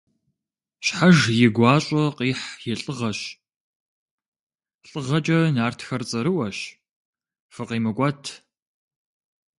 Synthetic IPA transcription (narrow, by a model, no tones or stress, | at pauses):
ɕħaʒjɪɡʷɑːɕʼɐqiːħjɪɬʼɨʁɐɕ | ɬʼɨʁɐt͡ʃʼɐnaːrtʰxɐrt͡sʼɐɾɨwɐɕ | fɨqiːmɨɡʷɑtʰ